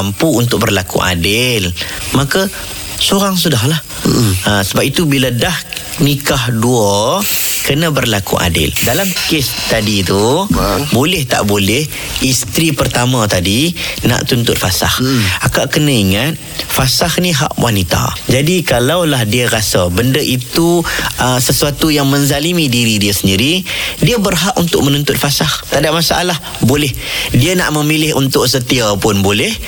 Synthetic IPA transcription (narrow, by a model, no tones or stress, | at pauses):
ampuːnt̪ʊk̚bərlakṵʔa̰dɪl | maka | soɾaŋs̬udaɦlah | əsəbap̚it̪ubiladah | nikahdua | kənabərlakṵʔa̰dɪ̰ldalamkɪst̪adit̪u | bolɛht̪a̰ʔbolɛh | ist̪ɾipərt̪amãt̪adina̰ʔt̪unt̪ʊt̪̚fasa̰hakaʔkənə̃iŋat̪̚fasahniɦa̰ʔwʔa̰nit̪a̰d͡ʒadikalawlahdiəɾasabəndəʔit̪uəsəsuat̪ujaŋməɲzalimĩdiɾidiəsəndiɾidiəbərɦaʔunt̪ʊʔ̚mənunt̪ʊt̪̚fasaht̪adap̚masaʔa̰lah | bolɛhdiəna̰ʔməmilɪɦṵnt̪ʊʔsət̪iapʊnbolɛh